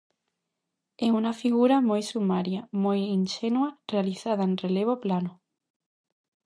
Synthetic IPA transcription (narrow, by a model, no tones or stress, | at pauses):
eunafiɣuɾamojsumaɾjamojinʃenwarealiθað̞aenreleβ̞oplano